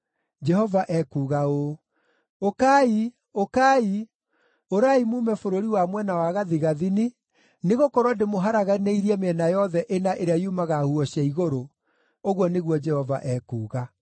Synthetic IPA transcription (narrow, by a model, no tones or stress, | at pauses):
d͡ʒɛhɔvaʔɛkuːɣao | okai | okaːi | oɾaimuːmɛfoɾoɾiwamwɛnawaɣaðiɣaðini | neɣokɔɾwɔdemoɦaɾaɣaneiɾiɛmeɛnajɔðɛʔenaʔeɾeaiumaɣahuɔɕaiɣoɾo | oɣwɔneɣwɔd͡ʒɛhɔva̰ʔɛkuːɣa